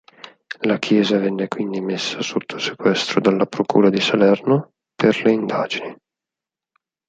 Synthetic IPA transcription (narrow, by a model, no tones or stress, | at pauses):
lakʰjɛːzavɛnːekwind̪imesːasot̪ʰːo̥se̥kwɛst̪ɾod̪alːapɾokṵːɾad̪isalɛrno | perleind̪aːd͡ʒini